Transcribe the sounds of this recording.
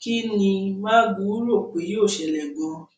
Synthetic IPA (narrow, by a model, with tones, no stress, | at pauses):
ki˦nĩ˧mã˦ɡu˨˦ɾo˦˨k͡pe˨˦jo˦˨ʃɛ˨lɛ˨ɡɔ̃˨˧